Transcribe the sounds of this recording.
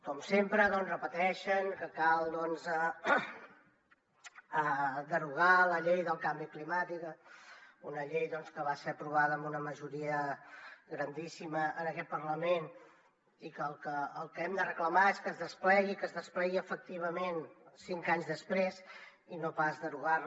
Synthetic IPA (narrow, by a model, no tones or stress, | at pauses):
kɔmsempɾəðɔnzrəpət̪ɛʃəŋkəkalˠd̪ɔnzə | əd̪əruɣ̞aləʎejðəlˠkambiklimat̪ikə | unəʎejðɔnskəβaseəpɾuβ̞aðəːmbunəməʒuɾiə | ɣɾənd̪isiməənəkɛt̪̚pəɾləmen | ikəlˠkəːlˠkəɛmd̪ərəkləmaeskəzðəsplɛɣikəzðəsplɛɣiəfək̚t̪iβ̞əmensiŋkaɲzðəspɾes | inopazðəɾuɣa